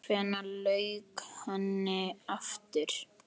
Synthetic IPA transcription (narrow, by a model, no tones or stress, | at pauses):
fɛnalœːɥkhanːɪaft̪ɪɾ̥